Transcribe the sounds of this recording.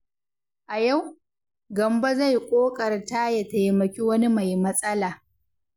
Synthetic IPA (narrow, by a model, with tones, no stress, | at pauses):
ʔa˨ja˦˨w | ɡɐ˨mba˦za˦˨jkʷʼoː˦kʼɐ˨rta˦jɐ˨ta˨jmɐ˨kʲi˦wɐ˦ni˦ma˨jmɐ˦sʼɐ˦laː˨